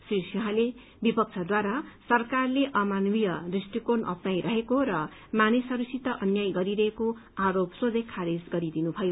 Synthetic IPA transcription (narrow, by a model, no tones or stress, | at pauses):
sisjuɦãle | bipʌk̚t͡sʰʌd̪waɾasʌrkarleʔʌmanwijʌdrisʈikonʔʌ̰pnajɾʌɦekoɾʌ | manesʌɾusit̪ʌʔʌnjajɡʌɾiɾʌɦeko | aɾopsod̪ʱʌkʰːaɾid͡zɡʌɾid̪inubʱʌjo